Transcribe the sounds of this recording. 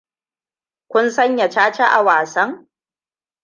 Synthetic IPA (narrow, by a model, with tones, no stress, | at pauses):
kʷʊ˦nsɐ˦ɲja˨t͡ʃaː˦t͡ʃa˦ʔa̰˨waː˨sɐ˦ŋ